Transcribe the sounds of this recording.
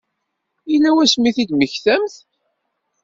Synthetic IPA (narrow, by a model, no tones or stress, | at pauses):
ilːæwæsmiθid̪məçθæmθ